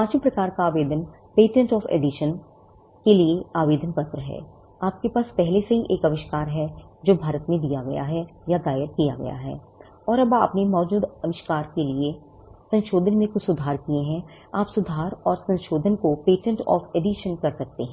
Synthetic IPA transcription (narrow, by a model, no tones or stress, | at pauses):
pãːt͡ʃũpɾɐkaːɾkaaːʋeːd̪ən | peːʈə̃ɳʈɔːfʰḛːɖiʃən | kelieaːʋeːd̪ʱənpɐt̪ɾəɦɛ̰ː | aːp̚kepaːspɛɦleseɦiʔeːkɐʋɪʃkaːɾɦɛd͡ʒoːbʱaːɾət̪mẽd̪ijaɡɐ̰ja̰ɦɛjad̪aːjəɾkija̰ɡɐ̰ja̰ɦɛ̰ː | ɔːɾɐba̰ːpnemɔːd͡ʒuːd̪ɐʋɪʃkaːɾkelie | sɐ̃nʃoːd̪ʱənmẽkʊsʊd̪ʱaːɾkieɦɛ̃ | aːpsʊd̪ʱaːɾɔːɾsɐ̃nʃoːd̪ʱənkopeːʈə̃ɳʈɔ̰ːfʰeɖiʃənkɐɾsɐk̚t̪eɦɛ̃ː